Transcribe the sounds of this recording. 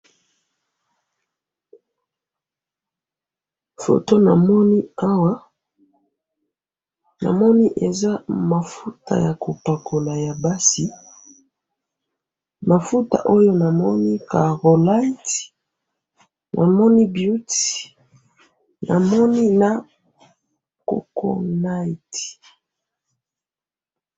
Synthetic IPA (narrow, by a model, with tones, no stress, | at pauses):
fo̰˨to˦na˨mɔ˦ni˦a˦wa˦ | na̰˨mɔ˦ni˦ʔe˨za˦ma˨fu˦ta̰˨ja˨ko˨pa˨kʰo˨la˨ja˨ba˦si˨ | ma˨fu˦ta̰˨ʔo˦jo˦na˨mɔ˦ni˦ka˨ʁo˨la˦i˦t | nʔa̰˨mɔ˦ni˦bju˦ti | na̰˨mɔ˦ni˦na˨ | ko̰˨ko̰˦na˦i˨ti̥˨